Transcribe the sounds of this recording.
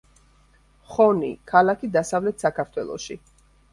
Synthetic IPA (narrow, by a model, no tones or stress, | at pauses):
χɔnḭkʰalakʰid̪asavlɛt̪ʰsakʰaɾt̪ʰwɛlˠɔ̰ʃi